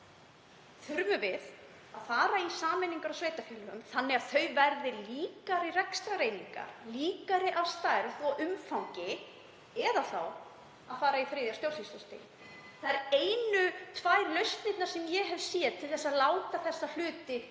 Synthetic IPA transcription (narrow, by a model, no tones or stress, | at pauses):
θʏɾmʏvɪð | aðfaːɾaisaːmɛniŋkaɾawsveːjt̪afjɛlːʏʏmθanːɛaðθœɥvɛɾðɪliːkaɾɪrɛkst̪ɾaɾeːjniŋka̰ɾ̥liːkaɾɪʔavst̪aːjɾðɔɣʔʏmfawŋcɪ | ɛðaθaw | aðfaːɾaifɾeːðjast̪jowsisɔst̪ɪ̰ | θaðɛɾeːjnʏt̪ʰvaːjɾlœɥst̪nɪt̪naɾ̥sɛmjɛɦɛvsjɛːðt̪ʰɪlθɛsːaðlaːwt̪aθɛsːal̥ʏːt̪ɪ